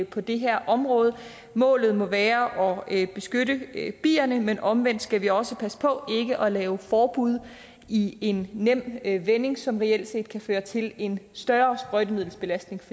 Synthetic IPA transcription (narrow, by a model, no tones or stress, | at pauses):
pʰɒ̽d̥e̝ɦæɐ̰ʔɒ̽mʁɔ̽ːð̞ˠə | mɔ̰̽ːlð̩ˠmɔ̽ʋæːɐʔɒ̽b̥e̝sɡ̥øɾəb̥ḭːɐnəmenʔɒ̽mʋen̰d̥sɡ̥æʋiɒ̽səpʰæsə̥pʰɒ̽e̝ɡ̥əʔɒ̽lɛːʊfɒːb̥uð̞̰ˠ | ie̝nːem̰ʋene̝ŋsɒ̽mʁɛel̰d̥se̝̰ːd̥̚kʰæføːɐt͡sʰe̝le̝nsd̥ɶːɐsb̥ʁœdəmið̰ˠl̩sb̥e̝læsd̥ne̝ŋf